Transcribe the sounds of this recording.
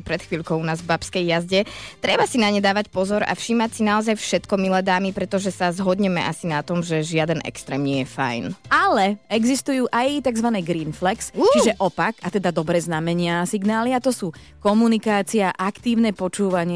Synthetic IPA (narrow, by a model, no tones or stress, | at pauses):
pɾɛt̪xʋiːʎkɔʊnaːzvbapskɛjːazɟɛt̪ɾɛbasinaɲɛd̪aːʋacpɔzɔɾa̰fʃiːmacsinaɔzajfʃɛt̪kɔmilɛd̪aːmipɾɛt̪ɔʒɛsazɦɔd̪ɲɛmɛ̰ʔasinat̪ɔmʒɛʒɪad̪ɛnʔɛ̰kst̪ɾɛ̰ːmɲɪɛjɛfa̰jnalɛɛɡzist̪ujuːʔajt̪aɡzʋanɛːɡɾiːnflɛkst͡ʃiʒɛʔɔpakat̪ɛd̪ad̪ɔbɾɛːznamɛɲɪasiɡnaːliat̪ɔsuː | kɔmunikaːt͡siaʔakt̪iːʊnɛpɔt͡ʃuːʋaɲɪ